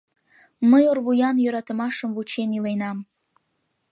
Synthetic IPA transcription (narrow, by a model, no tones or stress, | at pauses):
məjorβujɑnjøɾɑt̪ə̆mɑʃəmvut͡ɕenilenɑm